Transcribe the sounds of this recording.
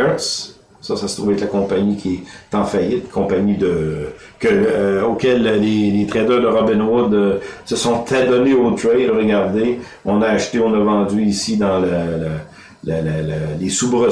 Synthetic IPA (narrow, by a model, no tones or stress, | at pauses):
t̪s | sʌsasə̥t̪ʁuvɛklakɔ̃paɲikʲʰiɛt̪ɑ̃fajɪt̪kʰɔ̃paɲid̪əkʲəokʲɛllelet̪ʁɛd̪œːʁd̪əʁɔbɪnwʊd̪səsɔ̃t̪ʰad̪ɔneot̪ʁɛʁəɡaʁd̪e | ɔ̃naːʃt̪eɔ̃nəvɑ̃ːd͡zyisid̪ɑ̃ləla | lalallesubʁə